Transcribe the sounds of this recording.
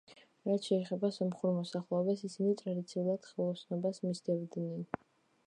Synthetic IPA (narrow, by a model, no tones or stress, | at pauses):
ɾat̪ʰʃɛːχɛbasamχuɾmɔsaχlˠɛɔbasisinit̪ʼɾad̪it̪sʰiulˠad̪̥χilˠɔsʰnɔbasmisd̪ɛvd̪nɛn